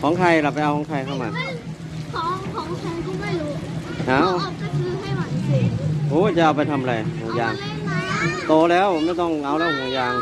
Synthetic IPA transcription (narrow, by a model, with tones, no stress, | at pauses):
kʰɔː˨˦ŋkʰa˧˩jla˨˩pa˧jʔa˧wkʰɔ˨˩˦ŋkʰa˧jkʰa˥˩wmaː˧ | kʰɔː˨˦ŋkʰɔː˨˦ŋkʰa˧kʰɔ˧˥˩ma˧˩jlu˨˩ | ʔaː˧˩wa˧˩kʰɯː˧˥˩ha˥˩jma˧˩˧i˧˩ʔoː˧˥˩t͡ɕa˨˩ʔa˧wpa˧jt̪ʰa˧mʔa˧ɾa˧jno˧ŋjaː˧˩n | t̪oː˧lɛː˦˥wma˥˩jt̪ɔ˥˩ŋʔa˧wlɛː˦˥˩ŋoː˧ŋjaː˧n